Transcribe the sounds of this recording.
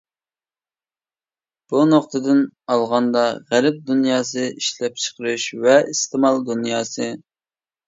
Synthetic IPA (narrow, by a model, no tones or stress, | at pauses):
b̥unoχt̪ʰɨd̪ɨnɑlˠʁɑnd̪ɑʁæɾɪp̚d̪unjɑːsɨiʃlɛp̚t͡ʃʰə̥qʰəɾɨʃvɛist̪ʰɪmɑlˠd̪unjɑːsɨ